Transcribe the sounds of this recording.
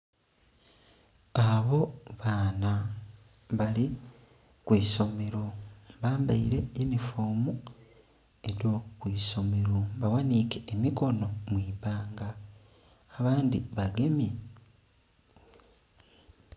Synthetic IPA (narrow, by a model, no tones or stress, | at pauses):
aβo̞βaːna | βali | kwiːso̞me̞ɾoβaːmbaḭɾe̞inifoːmu | e̞ɾo̞kwiːso̞me̞ɾoβawanikeːmiko̞no̞mwiːpaːŋɡaː | βaːndiβaɡe̞mje